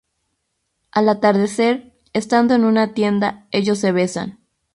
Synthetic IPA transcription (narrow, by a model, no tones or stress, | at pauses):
alat̪aɾðe̞se̞ɾ | est̪and̪o̞enũnat̪je̞nd̪ae̞ʝo̞s̬ːe̞βe̞sa̰n